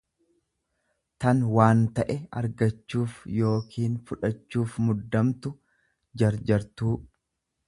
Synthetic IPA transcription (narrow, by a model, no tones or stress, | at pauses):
t̪ɐnwaːnt̪ɐʔɛɐ̰ɾɡɐt͡ʃːuːfjo̞ːkʰiːnfʊᶑɐt͡ʃːuːfmʊd̪ːɐmt̪ʊ | d͡ʒɐɾd͡ʒɐɾt̪uː